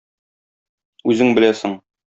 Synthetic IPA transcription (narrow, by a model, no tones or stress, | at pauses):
ʉzɘŋbɘ̆læsɘŋ